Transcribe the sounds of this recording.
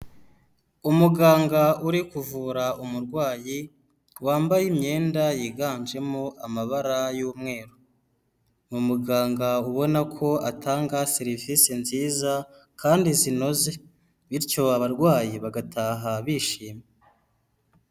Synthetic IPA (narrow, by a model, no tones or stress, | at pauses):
umuɡaːŋɡauɾikuvuːɾaumuɾɡwaːji | waːmbajimɲe̞ːndajiɡaːnd͡ʒe̞moʔamaβaɾajuːmŋe̞ːɾo | mumuɡaːŋɡauβo̞nakʰo̞atʰaːŋɡaseɾivisinziːza | kʰaːndizino̞ze̞ | βiɾcoβaβaɾɡwaːjiβaɡatʰaːɦaβiʃiːme